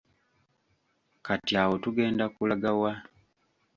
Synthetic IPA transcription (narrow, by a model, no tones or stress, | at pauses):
katiaːwotuɡe̞ːndakulaɡawa